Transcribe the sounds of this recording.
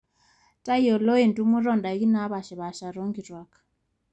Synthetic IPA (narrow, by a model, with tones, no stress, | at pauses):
ta˦jɔ˨lo˦e˨ntu˦mu˦ɾɔ˦˨nda˨e˦ɣi˦na˨˦βa˨ʃɛ˨βa˨ʃa˨ɾo˦ŋɡi˨ɾwa˨ka